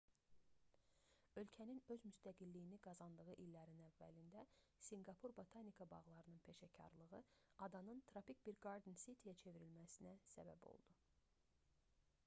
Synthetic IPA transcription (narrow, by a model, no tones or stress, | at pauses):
ø̞lcʰæninø̞zmyst̪æɡilːijiniɡɑzɑnd̪ɯʁɯʔilːæɾinævːæ̰lind̪æ | siŋɡɑpʰuɾbo̞t̪ʰanikʰɑbɑʁlˠɑɾɯnɯnpʰe̞ʃɑcʰɑ̰ɾlˠɯʁɯ | ɑd̪ɑnɯnt̪ʰɾɑpic̚biɾɡɑɾd̪inset̪ʰijæt͡ʃʰe̞viɾilmæsinæsæ̰bæ̰bo̞̰lˠd̪̥u